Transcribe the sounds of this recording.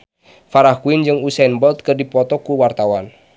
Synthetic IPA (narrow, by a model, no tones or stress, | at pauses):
faɾahkuind͡ʒɨŋusanbɔlt̪̚kərdipɔt̪ɔkuwart̪awan